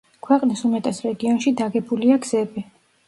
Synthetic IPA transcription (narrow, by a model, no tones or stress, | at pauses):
kʰwɛqʼnisumɛt̪ʼɛsɾɛɡiɔnʃid̪aɡɛbuliaɡz̥ɛbi